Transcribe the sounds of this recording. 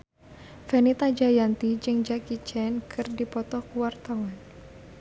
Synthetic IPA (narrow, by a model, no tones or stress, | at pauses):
fɛnit̪ad͡ʒajant̪id͡ʒɨŋd͡ʒakit͡ʃɛnkʰɨrdipɔt̪ɔkuwart̪awan